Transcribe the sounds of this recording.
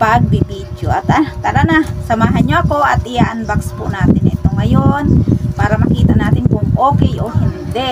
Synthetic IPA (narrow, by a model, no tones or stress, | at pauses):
paɡ̚bɪbiːd̪joʔat̪ak̪aɾanasɐmaːɦanɲoʔɐkoʔɐt̪ʔɪjaʔanbakspʊʔnaːt̪ɪnɪt̪oŋɐjonpaːɾɐmɐkiːt̪anaːt̪ɪnkʊŋʔoːkɛjohɪnd̪ɛ